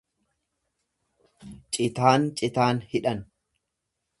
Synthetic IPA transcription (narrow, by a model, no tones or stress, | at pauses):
t͡ʃʼɪt̪aːnt͡ʃʼɪt̪aːnhɪᶑɐn